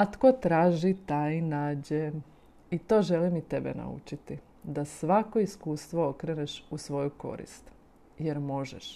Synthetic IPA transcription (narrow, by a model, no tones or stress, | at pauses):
at̪ko̞t̪ɾaːʒit̪ajinaːd͡ʑe | it̪o̞ːʒelimit̪e̞bḛna̰ṵt͡ʃit̪i | d̪asʋako̞iskuːst̪ʋo̞okɾeneʃusʋo̞juko̞̰ɾḭst̪ | jeɾmo̞ʒɛʃ